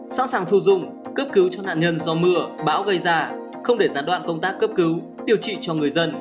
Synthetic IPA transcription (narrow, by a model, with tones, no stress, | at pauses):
sa̰ː˧˥nsaː˨˩ŋt̪ʰu˧˩zʊ˧˨ŋ͡m | kəː˦˥p̚kɨ˨˦wt͡ɕɔ˧na̰ː˧˨nɲə˧nzɔ˧mɨ˧əɓaː˨˦wɣə˧jzaː˧˩ | xə˧wŋ͡mɗe˧˩zaː˧˩nɗwa̰ː˧˨nkə˧wŋ͡mt̪aː˦˥kːə˦˥p̚kɨ˨˦w | ɗi˧˩əwt͡ɕḭ˧˨t͡ɕɔ˧ŋɨ˨˩əjzə˧n